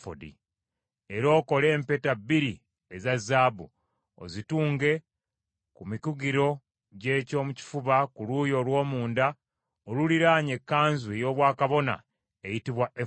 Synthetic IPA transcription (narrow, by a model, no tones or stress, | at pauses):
fo̰dḭ | eɾo̞ːko̞le̞ːmpe̞tabːiɾi | ezazːaːbu | o̰zituːŋɡe̞ | kumikuɡiɾo̞ | ɟeːco̞ːmuci̥fuβakuluːjo̞lwo̞ːmuːnda | oluliɾaːɲe̞kːaːnzuejo̞ːβwaːkaβo̞na̰ | ejitiβwaʔe